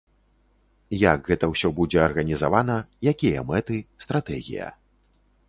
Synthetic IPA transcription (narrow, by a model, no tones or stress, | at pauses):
jaɡɣɛt̪ɐwsʲɔbud͡zʲɛɐrɣɐnʲizavanɐjakʲijɐ̰mɛt̪ɨst̪ɾat̪ɛɣʲḭjɐ̰